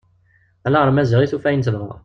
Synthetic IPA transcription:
ælæʁəɾmæzəʁiθufæjnsðə

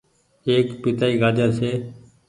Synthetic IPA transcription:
eːkpɪt̪aːiːɡaːd͡ʒãːseː

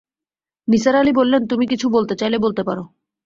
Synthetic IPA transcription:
nisaɾalibolːent̪umikit͡ɕʰubolt̪et͡ɕajlebolt̪epaɾo

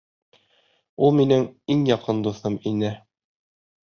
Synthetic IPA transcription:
ulˠminɘŋiŋjɒqɤnd̪uθɤminɘ

